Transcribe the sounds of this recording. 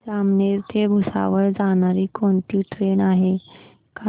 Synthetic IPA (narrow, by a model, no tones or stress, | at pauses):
d͡zamneɾt̪ʰeɡʱusa̰ʋəɾd͡zañaɾiːkoɳt̪iːʈɾenaɦe | ka